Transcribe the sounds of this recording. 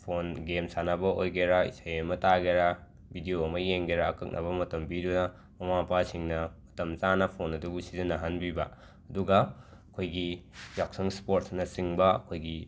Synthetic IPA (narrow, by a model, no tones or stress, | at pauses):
pʰonɡemsanɐbɐʔojɡeɾaḭsajɐmɐtaɡeɾa | bʱidijoɐmɐjeŋɡeɾaːkɐk̚nʔɐ̰bɐmɐtɐmbidunɐ | mɐmapasiŋnɐmɐtɐmt͡ʃanɐpʰonɐdubusizinaɦanbibɐ | ɐduɡɐ | ɐkʰojɡijak̚sɐŋspoɾtsnɐsiŋbɐɐkʰojɡi